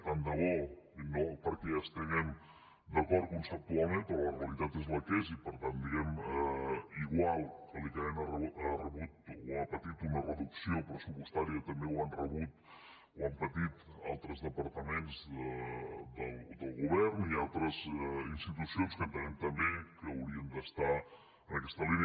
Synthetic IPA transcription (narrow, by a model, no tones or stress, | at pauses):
and̪əβɔinopəɾkɛəst̪əɣɛm | d̪əkɔɾ̚kunsəp̚t̪ualˠmẽnt̪ɔləreəlit̪at̪ezləkɛzipəɾt̪and̪iɣɛmɛiɣwalˠkəlik̪əmɛnarəarəβut̪̚wapət̪it̪unərəðuksiopɾəsupust̪aɾiət̪əmbewanrəβut̪̚ | uampət̪it̪alˠt̪ɾəzðəpəɾt̪əmenzəd̪əlˠd̪əlˠɣuβ̞ɛrnialˠt̪ɾəzinst̪it̪usionskənt̪ənɛmt̪əmbekəːwɾiənd̪əst̪a | ənəkɛst̪əlinə